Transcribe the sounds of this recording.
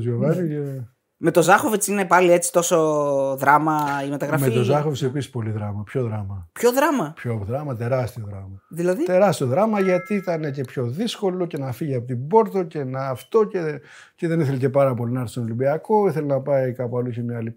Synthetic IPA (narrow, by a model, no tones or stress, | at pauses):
zʝoɣɐnie | me̞t̪o̞zɐxovet͡sinepɐlie̞t͡si̥t̪o̞soðɾɐmɐimet̪ɐɣɾɐmet̪o̞zɐxofsepisi̥spo̞liðɾɐmɐpço̞ðɾɐmɐpçoðɾɐmɐpçoðɾɐmɐt̪e̞ɾɐst̪ioðɾɐmɐðilɐðit̪e̞ɾɐst̪io̞ðɾɐmɐʝɐt̪iit̪ɐne̞ce̞pço̞ðisko̞lo̞ce̞nɐfiʝiɐpot̪ibo̞ɾt̪o̞ce̞nɐːft̪o̞ce | ce̞ðe̞niθe̞lece̞pɐɾɐpo̞linɐɾθsonolimbiɐko̞iθe̞lenɐpɐikɐpɐlusemɲɐli